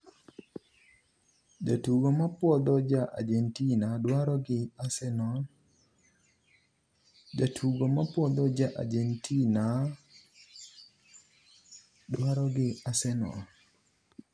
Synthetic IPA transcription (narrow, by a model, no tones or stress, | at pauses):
d͡ʒatuɡomapwɔd̪ɔd͡ʒaʔa̰d͡ʒentinadwaɾɔɡɪasɛnɔ | d͡ʒatʰuɡomapwɔd̪ɔd͡ʒaʔa̰d͡ʒentʰina | dwaɾɔɡɪasɛnɔ̰